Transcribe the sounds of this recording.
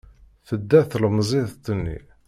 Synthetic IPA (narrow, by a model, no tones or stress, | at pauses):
θəd̪ːæθlmzˤiðt̪ːənːḭ